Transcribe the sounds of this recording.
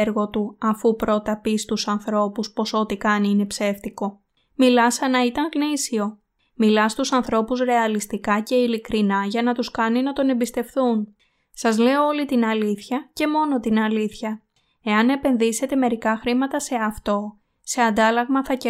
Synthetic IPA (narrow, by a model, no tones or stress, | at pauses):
ɾɣo̞t̪uɐfupɾo̞t̪ɐpist̪usɐnθɾo̞puspo̞so̞t̪ikɐniine̞pse̞ft̪iko̞ | milɐsɐnɐit̪ɐŋɣnisio̞ | milɐst̪usɐnθɾo̞puzɾe̞ɐlist̪ikɐce̞ilikɾinɐʝɐnɐt̪uskɐninɐt̪o̞ne̞mbist̪e̞fθun | sɐzle̞oolit̪inɐliθçɐce̞mo̞no̞t̪inɐliθçɐ | e̞ɐne̞pe̞nðise̞t̪e̞me̞ɾikɐxɾimɐt̪ɐse̞ɐft̪o̞ | se̞ɐnd̪ɐlɐɣmɐθɐc